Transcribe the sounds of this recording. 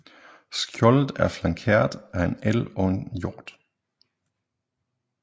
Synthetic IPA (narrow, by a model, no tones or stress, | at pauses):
sɡ̥jɔlð̩ˠæɐflɑ̈ŋkʰḛɐ̰d̥æenelɒ̽e̝njoːd̥